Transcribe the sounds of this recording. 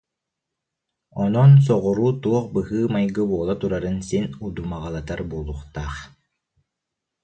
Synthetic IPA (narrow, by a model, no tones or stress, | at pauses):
ɔnɔns̬ɔʁɔɾuːt̪uɔχbɯɦɯːmajɡɯbuɔlˠat̪uɾaɾɯnsinud̪umaʁalˠat̪aɾbuɔlˠuχt̪aːχ